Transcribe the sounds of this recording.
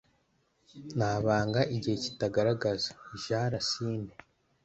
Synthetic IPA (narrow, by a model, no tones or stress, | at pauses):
naːβaːŋɡaʔiɟihe̞ci̥taɡaɾaɡazḁiʒaːɾasiːne